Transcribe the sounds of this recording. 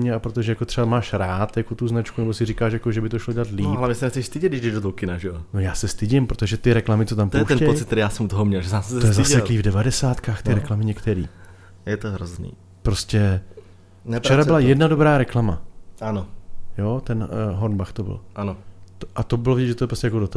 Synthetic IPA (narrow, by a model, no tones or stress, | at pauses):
mɲɛapɾot̪oʒɛjakot̪r̥ɛbamaːʃɾaːt̪jakot̪uznat͡ʃkunɛbo̞sɪɾikaːʃjakoʒɛbɪt̪oʃlo̞ɟɛlat̪liːɦlavɲɛsɛnɛxt͡sɛʃst̪ɪɟɪd̪dɪʒdɛʒdot̪owkɪnaʒɛono̞jaːsɛst̪ɪɟɪmpɾot̪oʒɛt̪ɪɾɛklamɪtt͡sot̪amp̪ojɛʃɛnɛpojɪt̪̚t̪ːɛɾijaːsɛmut̪oɦomɲɛlʒɛsaːsst̪ojɛzasɛiːvdɛvadɛsaːt̪kaːxt̪ɪɾɾɛklamɪɲɛkt̪ɛɾḭː | jɛt̪oɦɾoznḭː | pɾoscɛ | nɛft͡ʃɛɾaɪlajɛdnadobɾaːɾɛklama̰ʔanojot̪ɛnɦoɾnbaxt̪obɪ̰lʔanot̪oʔat̪obɪlovɪɟɛd͡ʒʒɛt̪oɛpɾostcɛjakodot̪o